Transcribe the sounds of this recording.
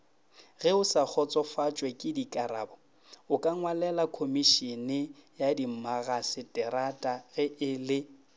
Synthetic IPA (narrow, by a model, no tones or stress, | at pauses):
ɣɛʊsak͡xʰɔt͡sʼɔfat͡ʃʼwɛkʼɪdikʼaɾaːbɔ | ʊkʼaŋwalɛlakʰomiʃɛnɪjadimaɣasɪtʼɛɾatʼaɣɛʔɪlɪ